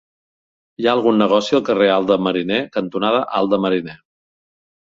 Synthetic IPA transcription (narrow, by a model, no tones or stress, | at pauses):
iaəlˠɣunːəɣ̞ɔsiəlˠkərealˠd̪əməɾinɛkənt̪unaðəʔa̰lˠd̪əməɾinɛ